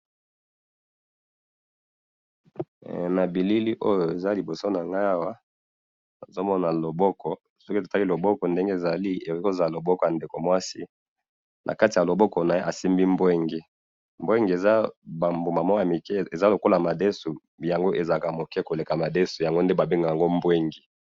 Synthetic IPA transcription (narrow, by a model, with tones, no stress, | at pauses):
na˨bi˨li˦li˦ʔo˦jo˨e˨za˦li˨bo˨so˦na˨ŋɡa˦a˦wa˦ | na̰˨zo˦mɔ˦na˨lo˨bɔ˦kɔ˨ | sɔ˦ki˦to˨ta˦ki˦lo˨bɔ˦kɔ˨nde˦ŋɡe˦e˨za˨li˦e˨˦ko˦za˨lo˨bɔ˦kɔ˨a˨nde˨ko˨mwa˦si˦ | nʔa̰˨ka˦ti˨ja˨lo˨bɔ˦kɔ˨na˨je˦ʔa˨si˦mbi˦mbwe˦ŋɡi˨ | mbwe˦ŋɡi˨e˨za˦ba˨mbo˨ma˨mɔ˦˨a˨mi˨kɛ˦e˨za˦lo˨ko˦la˨ma˨de˦su˨ | ja˨ŋɡo˦ʔe˨za˨ka˨mo˨kɛ˦ko˨le˨ka˨ma˨de˦su˨ja˨ŋɡo˦nde˦ba˨bi˦ŋɡa˨ja˨ŋɡo˦mbwe˦ŋɡi˨